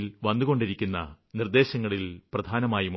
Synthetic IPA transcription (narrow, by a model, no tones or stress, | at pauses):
lʋɐnːuɣo̞ɳɖiɾikʲːunːɐ̰ | nird̪e̞ːɕɐŋːɐɭilprɐd̪ʱaːnɐmaːjim